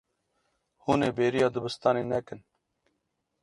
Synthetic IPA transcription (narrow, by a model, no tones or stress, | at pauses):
huːneːbeːɾijɑːd̪əbəst̪ɑːneːnɛkən